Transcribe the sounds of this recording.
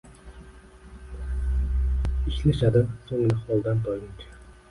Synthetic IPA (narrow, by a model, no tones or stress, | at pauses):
ɪʃlaʃad̪ɪsoŋlɪhɒlˠd̪ant̪ʰɒjɪnt͡ʃʰḁ